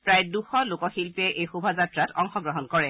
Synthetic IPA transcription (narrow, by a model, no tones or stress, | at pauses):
pɹajduxɔlokɔxilpɛʔejxubʱazatɹatɔŋxɔɡɹɔɦɔnkɔɹɛ